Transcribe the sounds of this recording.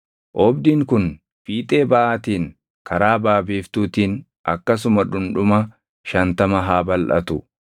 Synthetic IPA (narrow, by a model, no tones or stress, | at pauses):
ʔɔːbd̪iːŋkʊn | fiːt̪ʼe̞ːbɐʔaːt̪iːn | kɐɾaːbaːbiːft̪uːt̪iːn | ʔɐ̰kːɐs̬ʊmɐᶑʊnᶑʊmɐ | ʃɐnt̪ɐmɐɦaːbɐlʔɐ̰t̪ʊ